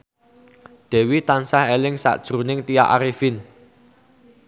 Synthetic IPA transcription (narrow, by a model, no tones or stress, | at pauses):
d̪̥ɛ̤wit̪ansahelɪŋsa̰ʔd̥ʒ̥ɾṳnɪŋt̪ijaʔaɾifin